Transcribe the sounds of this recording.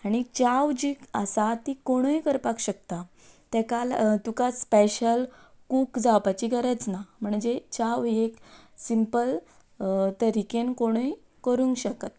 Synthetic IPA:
aɽ̃it͡ɕaʋd͡ʑiːkəsat̪ikoɽ̃ujkəɾpakɕək̚t̪a | t̪ɛkalt̪ukaspeɕəl | kukd͡zawpat͡ɕiɡəɾət͡snam̤əɳd͡ʑet͡ɕaʋeksimpəl | t̪əɾikenkoɽ̃uj | kəɾũŋɡɕəkət̪

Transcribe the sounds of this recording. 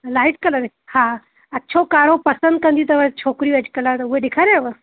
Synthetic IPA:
laiʈkəlad̪e | hã | ətːɕʰokaɾopəsənd̪̚kə̃nd̪iːt̪əʋət͡ɕʰokɾiːʋɛt͡ɕkəlat̪əuʋed̪ekʰaɾaʋə

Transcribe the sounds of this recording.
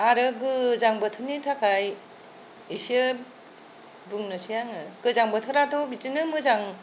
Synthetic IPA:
aɾɯɡɯzaŋbɯtʰɯnitʰakʰaj | isiɯ | bɯŋnɯsijaŋɯɡ̥ɯzaŋbɯtʰɯɾatɔbitinɯmɯzaŋ

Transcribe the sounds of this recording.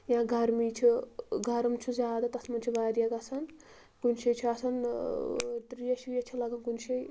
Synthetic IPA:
jaãɡɐɾmiːt͡ʃʰuɡʱɐɾɐmt͡ʃʰuzʲaːd̪at̪ɐsmɐnt͡ʃʰubaːɾjɐkɐsɐn | kunʃɐjt͡ʃʰuɐsɐn | t̪ɾijɐʃujɐt͡ʃʰulɐɡɐnkunʃɐj

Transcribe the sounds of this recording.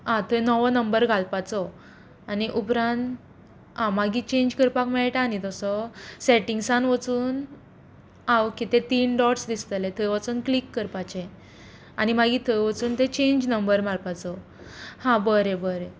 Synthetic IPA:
ɦãt̪ʰəjnɔʋənəmbəɾɡʱalpat͡sɔ | aniʔupɾãnt̪ | ãmaɡit͡ɕẽɲd͡ʑkəɾpakmɛɭʈanit̪ɔsɔsɛʈiŋɡsanʋət͡suːn | awkit̪ẽt̪iːnɖɔʈsd̪ist̪əlet̪ʰəjʋat͡suːnklikːəɾpat͡ɕẽ | a̰nimaɡiːt̪ʰəjʋət͡suːnt̪et͡ɕẽɲd͡ʑnəmbəɾmaɾpat͡sɔ | hãbəɾebəɾe

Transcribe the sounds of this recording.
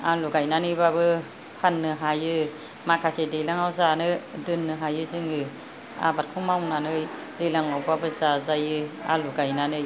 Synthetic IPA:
aluɡajnanɯjbabɯ | pʰanːɯɦajɯ | makʰasedejlaŋawzanɯdɯnːɯɦajɯzɯŋɯ | a̰bat̚kʰumawnanɯj | dejlaŋawbabɯzazajɯa̰luɡajnanɯj

